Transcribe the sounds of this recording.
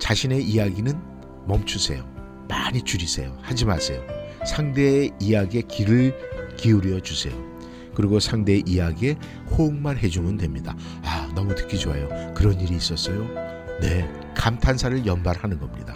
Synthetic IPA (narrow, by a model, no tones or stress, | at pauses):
t͡ɕaɕʰine̞ʔijaɡinɯn | mʌmt͡ɕʰusʰe̞̰jo | maɲit͡ɕuɾisʰe̞̰johad͡ʑimasʰe̞josʰaŋde̞ijaɡie̞kiɾɯɭkiuɾiʌt͡ɕusʰe̞̰jo | kɯɾiɡosʰaŋde̞ʔijaɡie̞ | houŋmaɾɦe̞d͡ʑumɯndwe̞mɲida | anʌmutɯ̥kʰid͡ʑoɦajokɯɾʌniɾiːs͈ʌs͈ʌjo | ne̞ | kamtʰansʰaɾɯɭjʌmbaɾhanɯnɡʌmɲida